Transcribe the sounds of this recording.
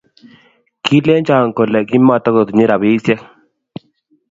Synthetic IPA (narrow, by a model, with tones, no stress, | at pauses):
ki˦lɛ˦nt͡ʃa˦˨ŋ˨ko˨lɛ˨ki˦ma˦˨t̪ɔ˦ko˨t̪ɲi˦ɾa˨bi˦sjɛ˦k̚